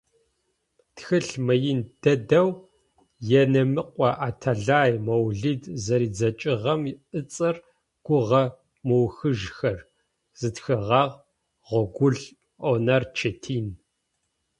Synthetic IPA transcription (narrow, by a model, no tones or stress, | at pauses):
txɨɬmɐjɪnd̥ɐdɐw | jɛnɐmɨqʷʼɔʔaːtʰɐɮaːjmɐwɮidzɐɾiːd͡zɐt͡ʃʼɪʁɐmiʔɨt͡sʼɐr | ɡ̥ʷʊʁɐ | mowxɨʒxɐr | z̥ɨtxɨʁɑːʁ | ʁʷɔɡʷʊɮ | ʔonɐrt͡ʃʰetʰiːn